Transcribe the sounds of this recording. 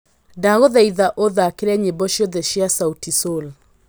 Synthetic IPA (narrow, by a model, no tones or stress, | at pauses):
daɣoðɛiðaʔoðakeɾɛɲebɔʃjoðɛʃiasautisol